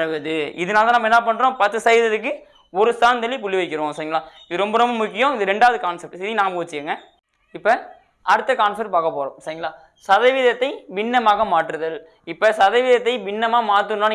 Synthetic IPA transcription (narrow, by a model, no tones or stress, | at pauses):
ɯʋɐðɯɪ̰ðɯnaːlɐðãːnɐmɐɛnːɐp̬ɐɳːɾõːpɐt̪ːɯsɐjɪðɐðɯkːɯ | ɔɾɯst̪aːnd̪ɛlːip̬ʊlːiʋɐɪkːɪɾõːsɐɾɪŋɡɐɭaːɪðɯɾɔmbɐɾɔmbɐmʊkːɪjɐ̃ɪðɯɾɛɳɖaːʋɐðɯkaːnsɐp̚ʈsɪðinaːmbuːɐt͡ʃːɯkeːŋɡɐ | ɪpːɐ | ɐɾɯt̪ːɐkaːnsɐɾʈpaːkɐpːoːɾõ̰ːsɐɾɪŋɡɐɭaː | sɐðɐʋɪðɐt̪ːɐɪʋɪnːɐmaːɣɐmaːʈːɾɐðɐl | ɪpːɐsɐðɐʋɪðɐt̪ːɐɪʋɪnːɐmaːmaːt̪ːɯnːaːn